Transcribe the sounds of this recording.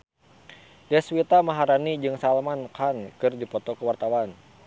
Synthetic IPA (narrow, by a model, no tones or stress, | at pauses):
dɛswit̪amaɦaɾanid͡ʒɨŋsalmankankɨrdipɔt̪ɔkəwart̪awan